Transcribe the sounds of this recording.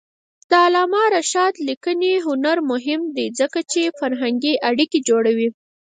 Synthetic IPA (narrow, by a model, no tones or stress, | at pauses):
d̪̥əalɑmɑɾaʃɑt̪likəneɦʊnaɾmʊɦɪmd̪ed͡zəkat͡ʃefaɾɦaŋɡiʔaɽiked͡ʒoɽawi